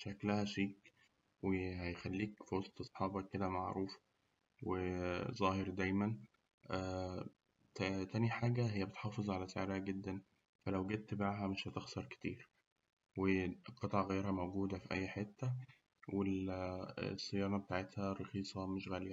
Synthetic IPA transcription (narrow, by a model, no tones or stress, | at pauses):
ʃæklæhæʃiːk | wehæjxælːiːkfiwɑsˤt̪ʔɑsˤħɑːbɑkːed̪æmaʕɾuːf | wezˤɑːheɾd̪æjmæn | ʔæː | t̪æt̪æniħaːɡæɦejːæbet̪ħɑːfezˤʕalæsḛʕɾhæɡed̪ːæn | fælæwɡed̪̚t̪baʕɦæmeʃhæt̪exsɑɾˤke̥t̪iːɾ | weqɑt̪ˤʕɑɣejːeɾhæmowɡuːd̪æfiʔæjːħet̪ːæ | wel | sˤːejɑːnɑbet̪aʕet̪hæɾˤɑxiːsˤɑmeʃɣæliæ